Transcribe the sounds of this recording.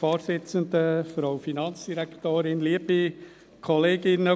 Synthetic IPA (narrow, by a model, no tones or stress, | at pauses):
oːɾsɪt͡sənd̪əfɾoʊfinɑnsd̥iɾækʰt̪oːɾɪnliəb̥i | kʰɔleːɡɪnə